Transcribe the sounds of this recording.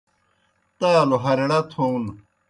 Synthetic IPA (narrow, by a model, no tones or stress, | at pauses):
t̪aaloɦɐɾeɽat̪ʰon